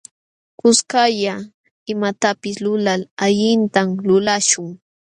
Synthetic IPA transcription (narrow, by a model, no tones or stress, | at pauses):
kʊskaʎa | ɪmat̪apɪslʊlalaʎɪnt̪amlʊlaʃʊŋ